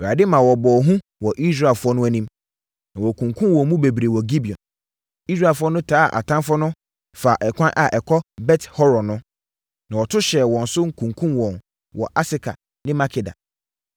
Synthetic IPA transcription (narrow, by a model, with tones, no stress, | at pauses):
ɔ˨ɾa˨dɪ˦mã˨wɔ˨bɔː˨ɦũ˦ | wɔ˨ʔi˦sɾa˦˨fʊ˦ɔ˦nʊ̃˦æ˦nĩ˦m | nã˨wɔ˨kʰũ˨ŋkʰũ˦m˦wɔ̃˨˦mũ˦be˨bi˨ɾe˨wɔ˨ɡi˦bi˨ɔ̰̃˨n | i˦s̬ɾa˦˨fʊ˦ɔ˦nʊ̃˦tʰaː˦˨ʔa̰˨tʰã˦nfɔ˦nʊ̃˦ | fa˨ʔɛ˨kʷʰã˦nʔa˨ʔɛ˨kʰɔ˦bɛ˦thɔ˦ɾɔ˨nʊ̃˦ | nã˨wɔ˨tʰʊ˦ɕɛ˨wɔ̃˨n̩˨sʊ˦ŋ̩˦˨kʰũ˨ŋkʰũ˦mwɔ̃˨n | wɔ˨ʔa˦sɪ˦kʰa̰˨ | nɪ̃˦ma˦kʰɪ˨da̰˨